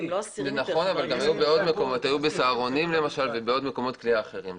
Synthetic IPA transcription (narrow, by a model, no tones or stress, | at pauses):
enaχo̞navalɡamajubeo̞d̪me̞ko̞mo̞t̪hajube̞saːʁo̞nimle̞maʃalvebeodme̞ko̞mo̞t̪kliaːχe̞ʁim